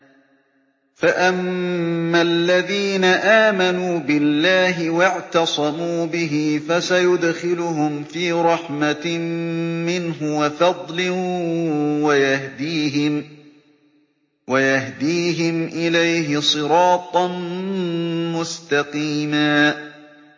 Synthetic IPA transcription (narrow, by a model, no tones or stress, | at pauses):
faʔamː | alːaðiːnaʔaːmanuːbɪlːaːɦɪwɪʕt̪ɑsˤɑmuːbɪɦɪfasajʊd̪xɪlʊɦʊmfiːɾˤɑħma | mɪnɦʊwafɑd̪ˤlɪ | wajahd̪iːɦɪm | wajahd̪iːɦɪmʔɪlajɦɪsˤɨɾɑːt̪ˤɑn | mʊst̪ɑqiːmaː